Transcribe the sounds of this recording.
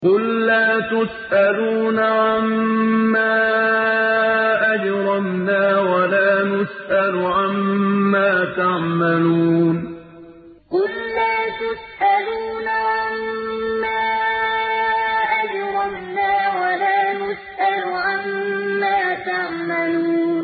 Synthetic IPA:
qʊlːaːt̪ʊsʔaluːnaʕamːaː | ʔad͡ʒɾˤɑmnaːwalaːnʊsʔalʊʕamːaːt̪aʕmaluːn | qʊlːaːt̪ʊsʔaluːnaʕamː | aː | ʔad͡ʒɾˤɑmnaːwalaːnʊsʔalʕamːaːt̪aʕmaluːnn

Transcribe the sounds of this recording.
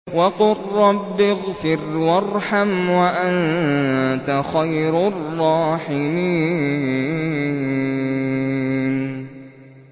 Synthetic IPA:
waqʊrːɑbːɪɣfɪɾwɑrˤħamwaʔan | t̪axajɾrˤːɑːħɪmiː | n

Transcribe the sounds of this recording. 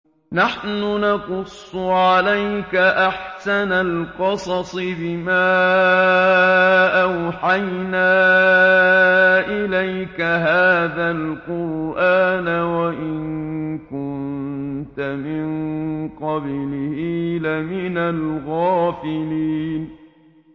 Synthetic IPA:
naħnʊnɑqʊsˤːʊʕalajkaʔaħsanalqɑsˤɑsˤɨbɪmaː | ʔawħajnaː | ʔɪlajkaɦaːðalqʊɾʔaːnawaʔɪnkʊnt̪amɪŋqɑblɪhiːlamɪnalɣaːfɪliːn

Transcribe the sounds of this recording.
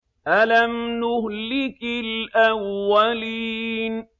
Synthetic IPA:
ʔalamnʊhlɪkɪlʔawːaliːn

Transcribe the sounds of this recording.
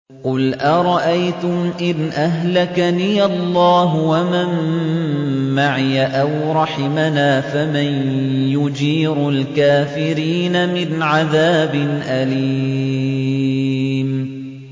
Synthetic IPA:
qʊlʔaɾˤɑʔajt̪ʊmʔɪnʔaɦlakaniːʔalˤːɑːɦʊwamam | maʕɪjaʔawɾˤɑħɪmanaːfamanjʊd͡ʒiːɾʊlkaːfɪɾiːnamɪnʕaðaːbɪnʔaliː | m

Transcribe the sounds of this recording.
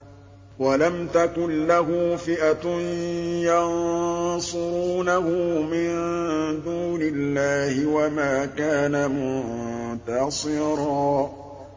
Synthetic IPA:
walamt̪akʊnlaɦuːfɪʔat̪ | jɑnsˤʊɾuːnahʊmɪnd̪uːnɪlːaːhɪwamaːkaːnamʊt̪ɑsˤɪɾˤɑː

